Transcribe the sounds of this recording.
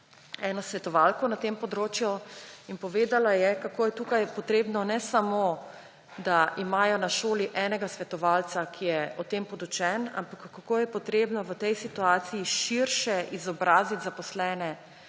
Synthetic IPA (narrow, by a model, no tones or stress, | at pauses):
ɛːnɔsʋɛt̪ɔʋalkɔnat̪empɔd̪ɾoːt͡ʃjuinpɔʋeːd̪alajɛkakoːjɛt̪uːkajpɔt̪ɾeːbnɔnɛsamo | d̪aʔimaːjɔnaʃoːliʔɛːnɛɡasʋɛt̪ɔʋaːlt̪sakʰijɛɔt̪eːmpɔd̪ut͡ʃɛna̰mpakːkːakoːjɛpɔt̪ɾeːbnɔʋət̪ɛjsit̪uaːt̪sijiʃiɾʃɛʔizɔbɾaːzit̪zapɔslɛːnɛ